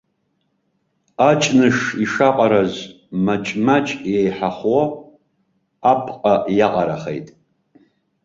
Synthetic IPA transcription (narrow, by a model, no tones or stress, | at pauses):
at͡ʃʼnɨʂiʂaqʼaɾaz | mat͡ʃʼmat͡ʃʰʼjejħaχwo | pʰqʼajaqʼaɾaχḛjtʼ